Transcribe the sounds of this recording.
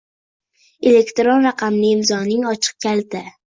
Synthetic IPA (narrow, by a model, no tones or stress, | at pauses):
ele̞kʲt̪ɾonɾɑqʰɑmlɪɪmzɒnɪŋɒt͡ʃʰɨ̥q̚kʲʰalt̪ɪ